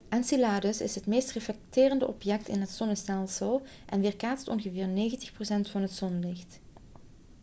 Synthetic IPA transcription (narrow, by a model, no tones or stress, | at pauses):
ʔɛnsilaːdəsɪsɦətmeːstreflɛk̚tɪːrəndəʔɔpjɛk̚tɪ̰nɦətsɔnəstɛlˠsəlˠ | ʔɛnʋɪːrkaːtstɔ̰nɣəvɪːrneːɣəntəxprosɛntfɑnɦətz̥ɔnlɪxt